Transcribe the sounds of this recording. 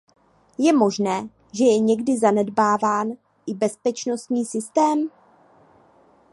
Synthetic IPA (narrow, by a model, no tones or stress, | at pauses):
jɛmo̞ʒnɛː | ʒɛjɛɲɛɡdɪzanɛdbaːvaːn | ʔɪbɛspɛt͡ʃno̞st̪ɲiːsɪst̪ɛːm